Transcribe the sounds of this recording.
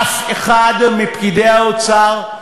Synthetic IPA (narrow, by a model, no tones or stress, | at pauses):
feχad̪mipkideaot͡saʁ